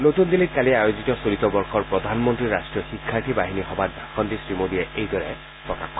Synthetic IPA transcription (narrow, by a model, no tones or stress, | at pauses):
notund̪ilit̚kaliajozitɔsolitɔbɔɹxɔɹpɹɔd̪ʱanmɔntɹiɹastɹijɔxikʰːaɹtʰibaɦinixɔbat̚baxɔntisɹimodijɛʔejdɔɹɛ̰ | pɹɔka̰xkːɔ